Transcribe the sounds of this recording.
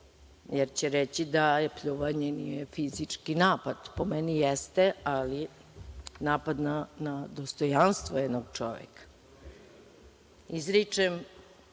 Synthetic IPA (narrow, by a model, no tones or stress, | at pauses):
jeɾt͡ɕeɾet͡ɕid̪apʎuʋaɲenijefizit͡ʂkinaːpad̪̥pomenijest̪eali | naːpad̪nanad̪ost̪ojanst̪vʋojɛd̪noɡt͡ʂoʋḛkḁ | izɾit͡ʂem